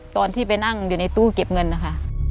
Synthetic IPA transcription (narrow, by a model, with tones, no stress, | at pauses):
t̪ɔː˧nt̪ʰiː˥˩pa˧jna˥˩ŋjuː˨˩na˧jt̪uː˧˥˨ke˨˩p̚ŋɤ˧nːa˦˩kʰa˦˥˩ʔ